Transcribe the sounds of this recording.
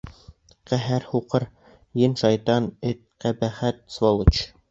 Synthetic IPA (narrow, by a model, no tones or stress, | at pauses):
qæɦæɾhuqɤɾ | jɘnʃɑjt̪ɑnɘt̪̚qæbæχæt̪̚svolˠut͡ɕ